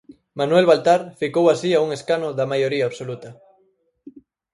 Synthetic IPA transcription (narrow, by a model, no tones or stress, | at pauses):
manwelβalt̪aɾfikowasiauŋeskanoðamajoɾiaoβsolut̪a